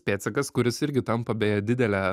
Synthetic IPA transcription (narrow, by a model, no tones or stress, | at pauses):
pʲeːt̪sʲɛkɐskʊɾʲɪsɪɾʲɡʲɪt̪ɐmpɐbʲeːjɛd̪ʲɪd̪ʲɛlʲæː